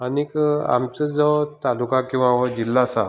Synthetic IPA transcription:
anika̰mt͡səd͡zɔt̪alukãkĩw̃aɦɔd͡ʑilːasa

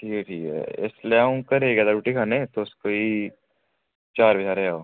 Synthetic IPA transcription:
ʈʰiːkɛʈʰḭːkɛ̰ɪ̰sleaːũkɐɾeɡaːd̪aɾuːʈikʰaːnet̪oʊskoi | t͡ʃaːɾbʱɐd͡ʒʰaːɾeaoː

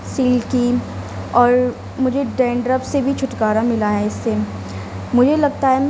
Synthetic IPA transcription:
siːlki | ɔːɾ | mʊd͡ʒʱeɖɛ̃ːɳɖɾəpsebʱit͡ʃʰʊʈkaːɾamɪlaːjaɪsːe | mʊd͡ʒʱelɐɡt̪aɦɛm

